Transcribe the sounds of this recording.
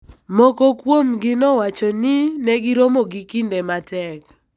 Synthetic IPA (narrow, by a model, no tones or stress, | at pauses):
mɔkokwomɡɪnɔwat͡ʃɔnɪnɛɡɪɾomoɡikindematɛk